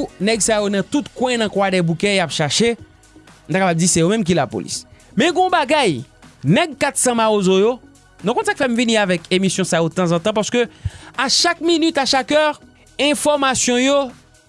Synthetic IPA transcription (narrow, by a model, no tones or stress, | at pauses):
nɛɡsajonɐ̃t̪ut̪kwɛ̃nãkwadɛbukɛ̃japʃɛʃe | m̩t̪akapab̚d͡zisɛjomɛ̃mk̬ilapo̰lḭsmɛ̃ɡõbaɡaj | nɛɡ̚kat̪sɐ̃maozojo | nɔ̃kɔ̃sakfɛm̩viniʁavɛkemisjɔ̃sajodət̪ɑ̃zɑ̃t̪ɑ̃paʁsə̥køaʃak̚minyt̪aʃakœʁ | ɛ̃fɔʁmasjɔ̃jo